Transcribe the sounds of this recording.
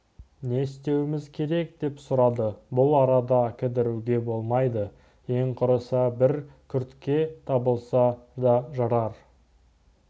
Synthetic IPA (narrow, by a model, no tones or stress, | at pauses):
ne̞st̪e̞wɪmɪzkʲʰe̞ɾe̞k̚d̪e̞psʊɾɑd̪əbʊlˠɑɾɑd̪ɑkʲʰɪd̪ɪɾuɡʲe̞bo̞lˠmɑjd̪ə | e̞ŋqʰʊɾəsɑbɪɾkʲʰʏɾt̪kʲːe̞t̪ʰɑbəlˠsɑd̪ɑʒɑɾɑɾ